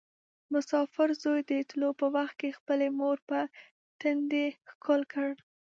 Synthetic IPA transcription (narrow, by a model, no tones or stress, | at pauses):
mʊsɑfɪɾzojd̪ət̪lopəwaxt̪̚kexpəlemoɾpə | t̪ənd̪exkʰolkəɽ